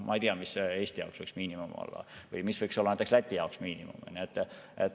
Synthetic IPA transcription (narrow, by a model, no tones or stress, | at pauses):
mʔɑ̰ejt̪iɑmise̞ːsʲt̪ijɑ̰oksvɤjksmiːnimumo̰lːɑ̰vɯjmisvɤjksolːɑnæjt̪ekslæt̪ʲːˑijɑoksmiːnimṵmniet̪ːˑet̪